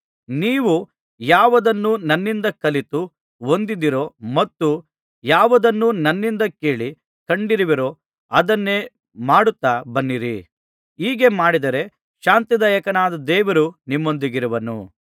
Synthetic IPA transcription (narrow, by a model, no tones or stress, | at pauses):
niːʋu | jaːʋɐd̪ɐnːunɐnːind̪ɐkɐlit̪u | ond̪id̪iɾo̞mɐt̪ːu | jaːʋɐd̪ɐnːunɐnːind̪ɐke̞ːɭi | kɐɳɖiɾiʋiɾo̞ | ɐd̪ɐnːe̞ː | maːɽut̪ːabɐnːiɾḭ | iːɡe̞maːɽid̪ɐɾe̞ | ʃaːnt̪id̪ɐjɐkɐnaːd̪ɐd̪ɛːʋɐɾunimːo̞nd̪iɡiɾuʋɐnṵ